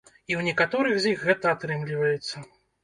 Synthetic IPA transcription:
iwnʲɛkat̪ɔɾɨxzʲjixɣːɛt̪ɐat̪ɾɨmlʲivɐjɛt̪sːɐ

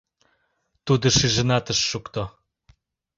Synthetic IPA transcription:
t̪ud̪ŏʃiʒə̆nɑt̪ə̆ʃːukt̪o

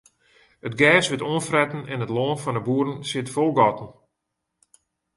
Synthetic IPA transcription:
ətɡɛːsʋɪtoənfrɛtn̩ɛnətloːnfɔnəbuːɾənsɪtfolˠɡɔtən̩

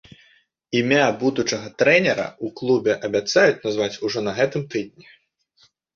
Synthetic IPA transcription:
imʲabud̪ut͡ʂɐɣɐt̪ɾɛnʲɛɾɐ̰uklˠubʲɛʔɐbʲat̪sajut͡sʲnazvat͡sʲuʐɔnɐɣɛt̪ɨmt̪ɨd̪ʲnʲi

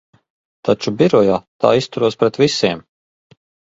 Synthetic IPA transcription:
t̪at͡ʃubiɾɔjat̪a̰ːist̪uɾuɔspɾɛt̪visiɛm

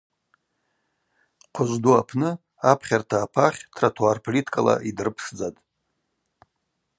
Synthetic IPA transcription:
qʷʰʊʒʷduapʰnɨ | apʰχʲartʰaːpʰaχʲtʰratʰuarpʰolitʰkʼala̰ʔidɨrɨpʰsd͡zatʼ

